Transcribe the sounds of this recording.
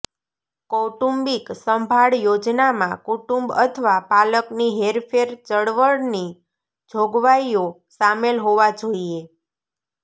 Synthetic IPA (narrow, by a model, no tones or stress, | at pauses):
koʈumbiksəmbʱaɭjod͡ʒnamãkuʈumbə̰t̪ʰʋapaləkniɦeɾfʰeɾt͡ʃəɽʋəɽni | d͡ʒʱoɡʋaio | samelɦoʋad͡ʒoie